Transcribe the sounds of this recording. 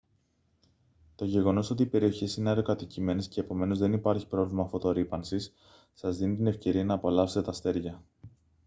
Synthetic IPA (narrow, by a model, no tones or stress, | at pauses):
t̪o̞ʝe̞ɣo̞no̞so̞t̪iːpe̞ɾio̞çisineɐɾokɐt̪icime̞nesce̞ːpo̞me̞no̞zðe̞nipɐɾçi̥pɾo̞vlimɐfo̞t̪o̞ɾipɐnsis | sɐzðinit̪ine̞fce̞ɾiɐnɐːpo̞lɐfset̪et̪ɐst̪e̞ɾʝɐ